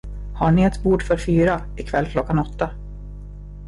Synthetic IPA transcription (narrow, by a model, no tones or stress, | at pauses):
haɳɪɛt̪buːɖfœɾfyːɾa | ɪkʰvɛlːkʰlɔkːanɔt̪ːa